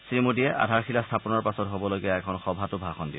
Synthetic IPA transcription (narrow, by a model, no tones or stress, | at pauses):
sɹimudijɛʔa̰dʱaɹxʰilastʰapɔnɔɹpasɔtɦobɔlojɡijaɛkʰɔnxɔbʱatʊbʱaxɔndi